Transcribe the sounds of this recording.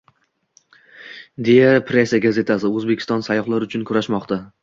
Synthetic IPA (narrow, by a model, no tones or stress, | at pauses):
d̪e̞japʰɾe̞saɡaze̞t̪ʰasɪɵzbekʲʰɪst̪ɒnsajɒχlˠaɾʊt͡ʃʰʊnkʰʊɾaʃmɒqt̪ʰa